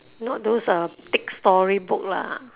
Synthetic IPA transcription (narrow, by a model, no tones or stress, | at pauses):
nɔt̚dosət̪ɪk̚stɔɹibʊk̚la̰